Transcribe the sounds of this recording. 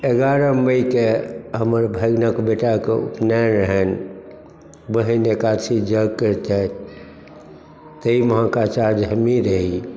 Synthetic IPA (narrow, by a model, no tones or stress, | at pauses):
eɡaɾəməjkeɦəməɾbʱəɡnəkbeʈakeṵpʰnaɾəɦən | bəɦinekat͡ʃʰid͡ʒəɡkəɾt̪a | t̪əiməɦãkat͡ʃaɾd͡ʒɦəmiɾəɦi